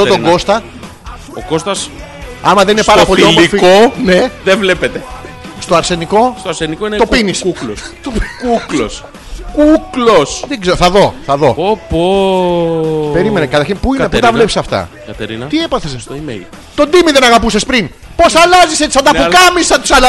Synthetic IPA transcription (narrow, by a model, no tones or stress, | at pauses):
ðot̪oɡo̞st̪ɐ | okost̪ɐs | ɐmɐðeninepɐɾɾɐpo̞liomfikone̞ðevlepet̪e | st̪o̞ɐɾse̞niko̞st̪oɾsenikoint̪opinisuloskulo̰s | kuklosðeɡzeɾoθɐðo̞θɐðo̞opo | peɾimenekɐt̪ɐɾçinpuieput̪ɐvle̞psisɐft̪ɐ̰ | kɐt̪eɾinɐt̪iepɐθesesom̰ | t̪o̞nd̪imiðenɐɣɐpusespɾin | po̞sɐlɐziseisɐnd̪ɐpukɐmisɐt̪u̥sɐlɐ